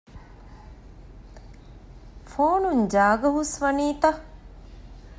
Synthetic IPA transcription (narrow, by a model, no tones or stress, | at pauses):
foːnuɲd͡ʒaːɡɐɦusʋɐniːt̪a